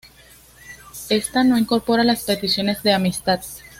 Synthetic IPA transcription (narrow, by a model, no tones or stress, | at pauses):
e̞st̪ano̞iŋko̞ɾpo̞ɾalaspe̞t̪isjo̞ne̞zðe̞amist̪að